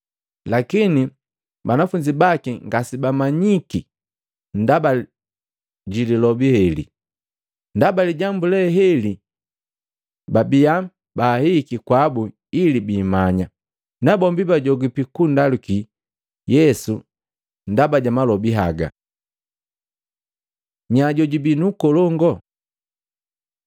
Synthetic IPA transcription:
lakini | banafuɲd͡ʒibakiŋɡasibamaɲiki | ndaba | ɟililɔbihɛlḭ | ndabaliɟambulɛɦɛli | babija | bahikikwabu | ilibiːmaɲa | nabɔmbibaɟɔɡipikundaluki | jɛsu | ndabaɟamalɔbiɦaɡa̰ | ɲaɟɔɟibinukɔlɔŋɡɔ

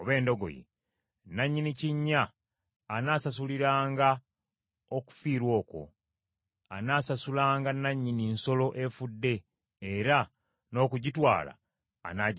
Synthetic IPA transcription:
oβe̞ːndo̞ɡo̞̰jḛ | nːaɲːiniciɲːaː | naːsasuliɾaːŋɡa | o̞ku̥fiːɾwo̞ːko̞̰ | a̰naːsasulaːŋɡanːaɲːininso̞lo̞ʔe̞fudːe̞ː | ɾa | no̞ːkuɟitwa̰ːla̰ː | naːɟ

